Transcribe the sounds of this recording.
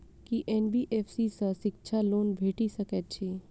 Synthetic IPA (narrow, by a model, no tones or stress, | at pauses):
kiʔenbiːʔeːpsisə̃ʃɪk̚t͡ʃʰaloːnbʱeːʈisəkɛt̪̚t͡ʃʰiː